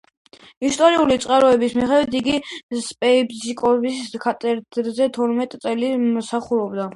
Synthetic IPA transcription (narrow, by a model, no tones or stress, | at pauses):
ist̪ʼɔɾiulit̪sʼqʼaɾɔɛbismiχɛd̪wit̪ʰiɡispʼɛipzikʼɔbiskʰat̪ʼɛɾd̪ɾzɛt̪ʰɔɾmɛt̪ʼt̪sʼɛlimɔsaχuɾɔbd̪a